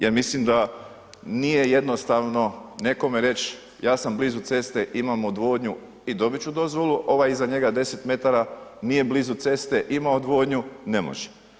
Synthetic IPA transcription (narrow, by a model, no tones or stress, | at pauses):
jeɾmislimd̪a | nije̞jed̪no̞st̪aʋno̞ne̞ko̞meɾe̞t͡ʃ | jaːsamblizut̪se̞st̪eʔimamod̪ʋo̞ːd̪ɲu | id̪o̞bit͡ɕud̪o̞zʋo̞lˠuʔo̞ʋajizaɲe̞ɡad̪e̞set̪me̞t̪aɾanije̞blizut̪se̞st̪eʔimaod̪ʋo̞ːd̪ɲune̞mo̰ʒe̥